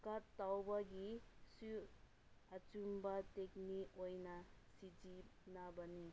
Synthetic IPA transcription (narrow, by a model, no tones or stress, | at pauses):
katːawbaɡisu | at͡ʃumbatekniojnasid͡ʒinabəni